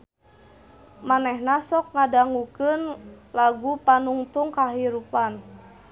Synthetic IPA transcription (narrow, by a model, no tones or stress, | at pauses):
manɛhnasɔk̚ŋadaŋukənlaɡupanuŋt̪uŋkaɦiɾupan